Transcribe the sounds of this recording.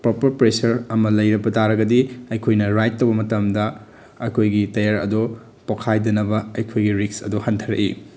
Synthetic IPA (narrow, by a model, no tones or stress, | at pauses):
pɾopɐɾpɾesɐɾɐmɐlɐjɾɐbɐtʰaɾɐɡɐdiɐjkʰojnɐɾajtːɐwbɐmɐtɐmdɐ | ɐjkʰojɡitɐjaɾɐ̰du | pokʰajdɐnɐbɐɐjkʰojɡiɾiksɐ̰duhɐntʰɐɾɐ̰ʔḭ